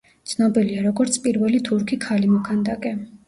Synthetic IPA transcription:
t̪sʰnɔbiliaɾɔɡɔɾt̪sʰpʼiɾvɛlit̪ʰuɾkʰikʰalimɔkʰand̪akʼɛ

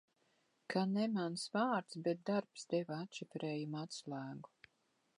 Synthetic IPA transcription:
kʰanɛmansvaːɾt̪sbɛt̪̚d̪aɾpsd̪ɛvaat̪ʃifɾɛːjumat̪slæːɡu̥

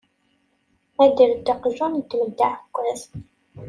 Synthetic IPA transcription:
æd̪əɾd̪əqʒunt̪ːməd̪ːaʕkʷːæθ

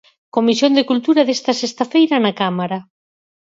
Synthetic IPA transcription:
komisjond̪ekult̪uɾaðest̪ɐsest̪afejɾɐnakamaɾa

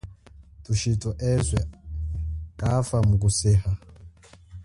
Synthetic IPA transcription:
tuʃitɔʔɛzwɛ | kʼafamuk̬usɛha

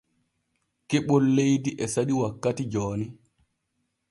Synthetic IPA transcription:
keɓɔlːejdiʔɛsaɗiwakːatid͡ʒɔːni

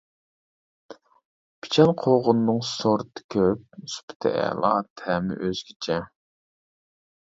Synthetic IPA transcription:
pʰi̥t͡ʃʰɛnqʰoʁʊnːɨŋsoɾt̪ʰɨ̥kʲʰøp̚spʰt̪ʰɛ̰ɛ̰lˠɑ̰t̪ʰɛmɪ̰ʔøz̥ɡʲʰit͡ʃʰɛ

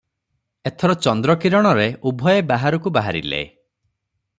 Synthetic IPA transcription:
et̪ʰɔɾɔt͡ʃɔnd̪ɾɔkiɾɔɽ̃ɔɾeubʱɔjebaɦaɾɔkubaɦaɾḭlḛ

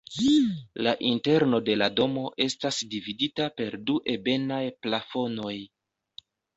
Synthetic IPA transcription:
laʔinte̞ɾno̞de̞lado̞mo̞ʔe̞stasdividitape̞ɾduʔe̞be̞najplafo̞no̞j

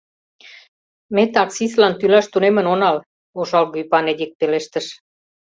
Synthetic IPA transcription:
met̪ɑksislɑnt̪ylɑʃt̪unemə̆nonɑl | oʃɑlɣypɑned̪ʲik̚peleʃt̪əʃ

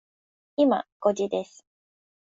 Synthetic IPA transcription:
ima̰ɡ̥o̞d͡ʑid̪e̞sɨ̥

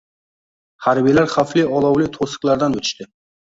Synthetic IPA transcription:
haɾbijlaɾχaflɪɒlˠɒwlɪt̪ʰosɨ̥qlaɾd̪anɵt̪ʰɪ̥ʃt̪ɪ

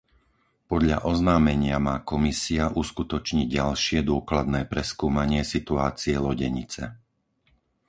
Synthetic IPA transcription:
pɔd̪ʎa̰ʔɔznaːmɛɲɪamaːkɔmisiaʔuskut̪ɔt͡ʃɲiɟɟalʃɪɛd̪ʊɔklad̪nɛːpɾɛskuːmaɲɪɛsit̪uaːt͡siɛlɔɟɛɲit͡sɛ

